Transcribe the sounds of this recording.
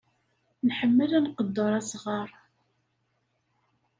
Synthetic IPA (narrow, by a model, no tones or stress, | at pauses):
nħəmːəlænqəd̪ːoɾˤæsʁɑɾˤ